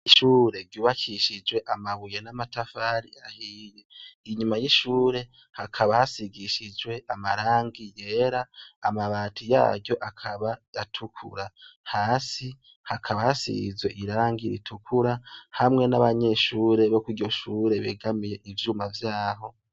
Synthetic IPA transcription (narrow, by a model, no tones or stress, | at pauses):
iʃuːɾe̞ɾɟuːβakʰiʃid͡ʒwe̞ʔamaβuje̞namatafaɾiahijeiɲumajiʃuːɾe̞ | hakʰaβahasiɡiʃid͡ʒwe̞ʔamaɾaːŋɡije̞ːɾaːmaβaːtʰija̰ːɟjo̞ʔakʰaβajatʰukʰṵɾahaːsi | hakʰaβahasḭɡḭzwe̞ʔiɾaːŋɡiɾḭtʰukʰuɾahamŋe̞naβaɲe̞ʃuːɾe̞βo̞kwiɟo̞ʃuːɾe̞βeɡamije̞ʔivjuːmavjaːɦo̞